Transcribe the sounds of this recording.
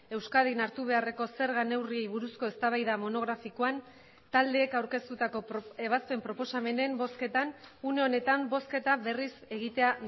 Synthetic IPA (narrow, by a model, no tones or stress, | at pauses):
e̞wskaðinaɾt̪uβ̞e̞are̞ko̞se̞ɾɣane̞wrie̞jβuɾusko̞e̞st̪aβajðamo̞no̞ɣɾafikoan | t̪ald̪e̞ːkawɾke̞st̪ut̪ako̞e̞βaspe̞mpɾo̞po̞same̞ne̞mbo̞ske̞t̪anune̞o̞ne̞t̪ambo̞ske̞t̪aβe̞rise̞ɣ̞it̪e̞a